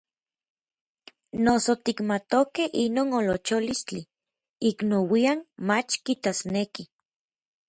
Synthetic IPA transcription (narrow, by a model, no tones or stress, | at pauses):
nosot̪ikmat̪okeinoːnolot͡ʃolist͡ɬi | iknowianmat͡ʃkit̪asneki